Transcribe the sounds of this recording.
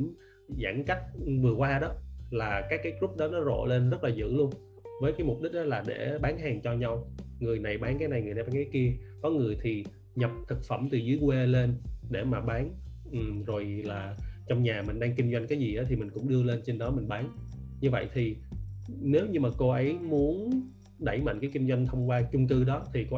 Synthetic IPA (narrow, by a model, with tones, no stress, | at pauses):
za̰ː˧˩ŋka˦˥k̚vɨ˨˩əkwaː˧ɗɔ˨˦laː˨˩kaː˦˥kːaː˨˦jkɾu˦˥p̚ɗɔ˨˦nɔ˨˦zo̰˧˨le˧nzə˦˥t̚laː˨˩zɨ̰˧˥lu˧ən | vəː˨˦jkaː˨˦jmʊ˨˩p̚ɗï˦˥k̟̚ɗɔ˨˦laː˨˩ɗe˧˩ɓaː˨˦nɦaː˨˩ŋt͡ɕɔ˧ɲa˧wŋɨ˨˩əjna˨˩jɓaː˨˦nkaː˨˦jna˨˩jŋɨ˨˩jna˨˩ɓaː˨˦ŋkːaː˨˦ki˧ə | kɔ˨˦ŋɨ˨˩əjt̪ʰi˨˩ | ɲə˨˩p̚t̪ʰɨ˨˩k̚fə˧˩mt̪ɨ˨˩zɨ˨˦jkwe˧le˧nɗḛ˧˩maː˨˩ɓaː˨˦n | ʔɨ˨˩zo˨˩jlaː˨˩t͡ɕɔ˧wŋ͡mɲaː˨˩mï˨˩ŋ̟ɗaː˧ŋki˧ŋ̟zwa˧jŋ̟kaː˨˦jzi˨˩ʔaː˨˦t̪ʰi˨˩mï˨˩ŋ̟kʊ̰˧˥ŋ͡mɗɨ˧əle˧nt͡ɕe˧nɗɔ˨˦mï˨˩ŋ̟ɓaː˨˦n | ɲɨ˧və̰˧˨jt̪ʰi˨˩ | ne˨˦wɲɨ˧maː˨˩ko˧ʔə˨˦jmu˨˦ən | ɗə˧˩jma̰˧˨jŋkaː˨˦jki˧ŋ̟zwa˧jŋ̟t̪ʰə˧wŋ͡mkwaː˧t͡ɕʊ˧ŋ͡mkɨ˧ɗɔ˨˦t̪ʰi˨˩ko˧˦